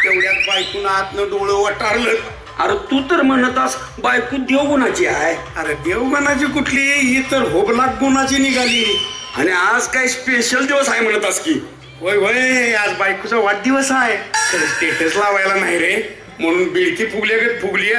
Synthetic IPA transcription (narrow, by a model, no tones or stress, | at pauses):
t̪eʋɽjat̪̚bajkuːnaat̪nəɖoɭəʋaʈaɽləːt̪ | aɾet̪ut̪əɾm̤ənt̪as | bajkuːd̪ewɡonat͡ɕiːaj | əɾed̪eʋɡonat͡ɕiːkuʈʰliːɦit̪əɾɦoblak̚ɡonat͡ɕiːniɡʱaliː | añiad͡zkaispeɕəld̪iʋəsaɦem̤əɳ̃t̪at͡skiː | ʋəjʋəjad͡zbajkut͡saʋaʈ̚d̪iʋəsaet̪əɾsʈ̪eʈʰəslaʋajlanaɦiɾe | m̤əɽ̃uːnbiɽk̪ʰiːpʰuɡljaɡet̪̚pʰuɡliː